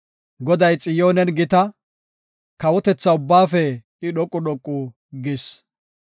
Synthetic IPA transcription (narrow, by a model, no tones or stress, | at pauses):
ɡɔd̪ɐjt͡sʼɪjoːnɛnɡɪt̪ɐ | kɐwɔt̪ɛt͡sːɐʊbːaːfɛ | ɪɗɔkʼːʊɗɔkʼːʊ | ɡɪs